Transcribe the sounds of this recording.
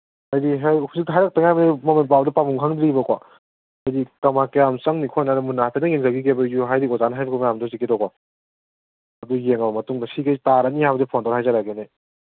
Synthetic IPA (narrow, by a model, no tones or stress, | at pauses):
ajdiɦhuzik̚tɐɦajɾak̚taŋajmɐnemɐmenpawdɐpamuŋkʰaŋdɾibɐkwa | ɐjdikɐmakejamsɐŋnikʰɔnaɾɐmunaatʰenɐjeŋzaɡiɡebɐjuɦajdikɔzanɦajbɐkʰwmajamdɔhuzikidɔkwa | ɐdujeŋɐbɐmɐtuŋdɐsiɡejtaɾanihajbɐzepʰɔndɔɾɦajzaɾaɡene